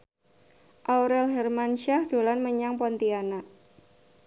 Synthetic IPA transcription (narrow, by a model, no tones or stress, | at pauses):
ʔawɾɛlɦɛrmanʃahd̥olanməɲaŋpɔnt̪ianaʔ